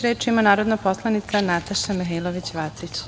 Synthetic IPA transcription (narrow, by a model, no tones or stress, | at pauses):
ɾeːt͡ʃimanaːɾo̞d̪napo̞slˠanit̪sanat̪aʃamiɦelˠoʋit͡ɕʋasit͡ɕ